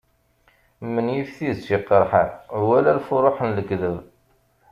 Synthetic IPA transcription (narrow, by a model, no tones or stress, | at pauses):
mːənjifθiðsiqːəɾˤħənwælælfʊɾˤoħənləɡðəv